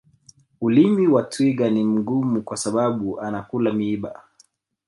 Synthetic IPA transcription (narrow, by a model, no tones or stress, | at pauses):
ulimiwatwiɠanim̩ɡumukwasaɓaɓuʔanakulamiiɓa̰